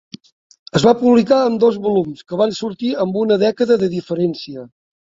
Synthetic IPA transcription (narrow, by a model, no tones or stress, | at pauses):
əzβapuβlikaəmd̪ɔzβulumskəβ̞ansuɾt̪iəmbunəðɛkəðəðəðifəɾɛnsiə